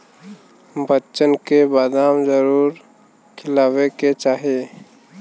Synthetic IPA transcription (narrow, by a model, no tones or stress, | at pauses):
bətːt͡ʃənkebaːd̪aːmd͡ʒəɾuːɾ | kʰɪlaːweket͡ʃaːɦe